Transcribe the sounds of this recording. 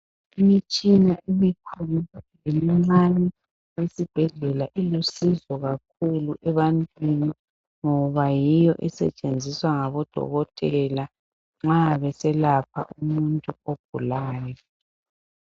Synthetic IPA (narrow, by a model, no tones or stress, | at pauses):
imit͡ʃʼinaʔimikʰululemiŋ͡ǀanɛ | wesib̥ʱɛɮɛlaʔilusizɔɣak̚ʰuluʔɛβantʼwini | ŋɔβajijɔʔɛsɛ̰t͡ʃʼend͡zʱiswaŋaβɔd̥ʱɔ̰ɣɔtʼɛla | ŋ͡ǁaβɛsɛlapʰa̰ʔumuntʼuoɡ̥ʱulaːjɔ